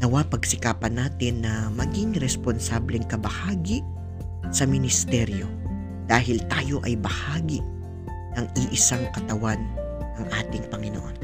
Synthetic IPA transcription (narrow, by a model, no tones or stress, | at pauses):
nɐwapɐɡsɪkaːpɐnaːt̪ɪnːɐmɐɡiŋɾɛsponsaːblɛŋkɐbɐhaːɡi | sɐmɪnɪst̪ɛɾjo̞ | d̪̥aːɦɪlt̪aːjo̞ʔɐjbɐhaːɡiʔ | nɐŋʔɪʔɪsaŋkɐt̪ɐwan | ɐŋʔaːt̪ɪŋpɐŋɪno̰ʔo̞n